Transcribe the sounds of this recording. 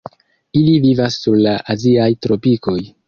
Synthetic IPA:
ilivivasːuɾlaʔaziajtɾo̞piko̞j

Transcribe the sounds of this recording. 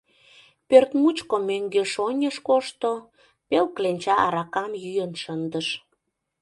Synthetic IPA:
pørt̪mut͡ɕkomøŋɡeʃonʲəʃkoʃt̪o | pelklenʲt͡ɕɑʔɑɾɑkɑmjyjənʃənd̪əʃ

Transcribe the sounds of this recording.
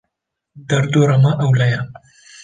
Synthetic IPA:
d̪ɐɾd̪oɾɐmɐʔɐwlɐja

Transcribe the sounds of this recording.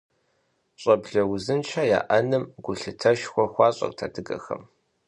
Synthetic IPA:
ɕʼɐbɮɐwzɨnt͡ʃʰaːja̰ːʔɐnɨmɡʷʊɬɨtʰɐʃxʷɔxʷɑːɕʼɐ̰k̚tʰa̰ːdɨɡɐ̰xɐ̰m

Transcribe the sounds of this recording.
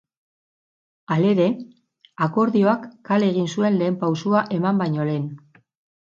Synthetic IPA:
ale̞ɾe̞ | ako̞ɾðio̞akːale̞ɣ̞insue̞nle̞ːmpawsuaʔe̞mambajɲo̞le̞n

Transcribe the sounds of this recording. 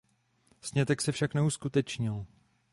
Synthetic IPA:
sɲɛt̪ɛksɛfʃaknɛuskut̪ɛt͡ʃɲɪl

